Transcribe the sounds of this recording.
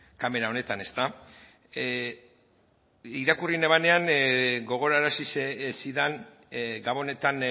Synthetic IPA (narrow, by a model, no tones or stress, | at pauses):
kame̞ɾaone̞t̪ane̞st̪a | iɾakurineβane̞aŋɡo̞ɣ̞o̞ɾaɾasisesiðan | ɡaβo̞ne̞t̪an